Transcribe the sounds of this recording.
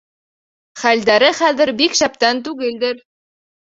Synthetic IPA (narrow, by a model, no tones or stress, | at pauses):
χæld̪æɾɘχæðɘ̆ɾbikʃæp̚t̪ænt̪̬ʉɡɘld̪ɘɾ